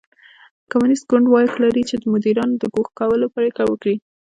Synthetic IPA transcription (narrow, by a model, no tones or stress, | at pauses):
komunɪst̪̚ɡʊɳɖwɑjklaɾit͡ʃed̪əmʊd̪iɾɑnd̪əɡoxkɑwəlopaɽekawəkɽi